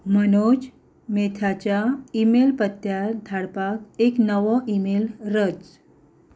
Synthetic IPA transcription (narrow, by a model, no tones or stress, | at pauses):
mənod͡ʑ | met̪ʰat͡ɕjaimelpət̪ːjad̪ʱaɽpakeknəʋɔʔimelɾət͡s